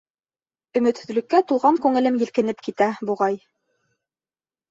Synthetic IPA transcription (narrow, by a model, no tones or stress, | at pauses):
ɵ̆mɵ̆t̪hɵ̆ðlɵ̆kːæt̪ulˠʁɑŋkʉŋɘ̆lɘmjɘ̆lkɘ̆nɘpkit̪æbuʁɑj